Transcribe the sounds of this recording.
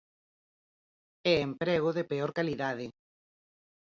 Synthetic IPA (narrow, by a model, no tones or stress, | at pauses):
ɛempɾeɣ̞oðepeoɾkaliðaðɪ